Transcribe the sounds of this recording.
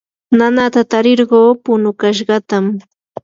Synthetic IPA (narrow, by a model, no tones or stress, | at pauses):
nanat̪at̪aɾɪɾɢoːpʊnʊkaʃ̬ɢɑt̪am